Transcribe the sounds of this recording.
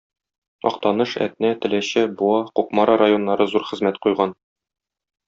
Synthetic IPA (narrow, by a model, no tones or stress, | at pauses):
ɒ̰q̚t̪ɑnɤʃæ̰t̪̚næt̪ɘ̆læɕæbuɑquqmɑɾɑɾajo̞nːɑɾɤzuɾχɘ̆zmæt̪qujʁɑn